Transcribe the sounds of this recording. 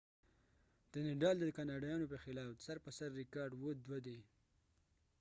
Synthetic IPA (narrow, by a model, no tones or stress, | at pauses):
d̪̥ənɪɖɑld̪əkɑnɑɖɑjɑnopəxɪlɑfsaɾpəsaɾːɪkɑɾɖwod̪wad̪e